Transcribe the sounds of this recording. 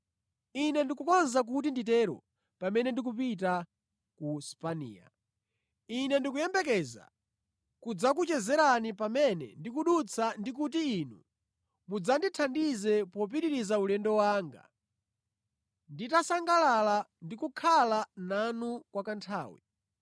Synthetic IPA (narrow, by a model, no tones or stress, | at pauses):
inɛndikukɔnzak̬ut̬inditɛɾɔ̰ | pamɛnɛndik̬upit̬a | kuspanḭːa̰ | inɛndikujɛmbɛk̬ɛza̰ | kud͡zakut͡ʃɛzɛɾanipamɛnɛ̰ndikuɗut͡sʰandik̬ut̬iːnu | mud͡zanditʰandizɛpɔp̬iɾiɾizaulɛndɔwaːŋɡa̰ | nditasaŋɡalalandikukʰalananukwakantʰaːwḭ